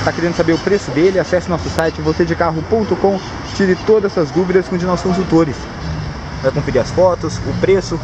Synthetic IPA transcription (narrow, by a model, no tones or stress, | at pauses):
st̪akeɾẽnd̪ʊsabeɾʊpɾesʊd̪elɪasɛsɪʊnɔsʊsajt͡ʃɪvosed͡ʒɪkaɦʊpõnt̪ʊkõ | t͡ʃiɾɪt̪od̪ɐzɐzd̪uvid̪ɐskõd͡ʒɪnɔsʊ̥kõsut̪oɾɪs | vajkõfeɾiɾɐsfɔt̪ʊsʊpɾesʊ